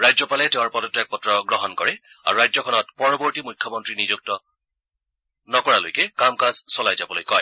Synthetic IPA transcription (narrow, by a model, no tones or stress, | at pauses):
ɹajzɔpalɛtɛʊ̃ɹpɔtɔtɛk̚pɔtɹɔɡɹɔɦɔnkɔɹɛa̰ɹuɹajzɔkʰɔnɔtpɔɹɔbɔɹtimujkʰːjɔmɔntɹinizuk̚tɔ | nɔkɔɹalo̰jkɛkamkazsɔlajzabɔlojkɔj